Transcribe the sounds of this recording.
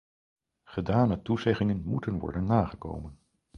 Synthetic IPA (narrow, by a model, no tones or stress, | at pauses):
χədaːnətuzɛχɪŋənmutənʋɔ̰ɹdənːaːχəko̰wmən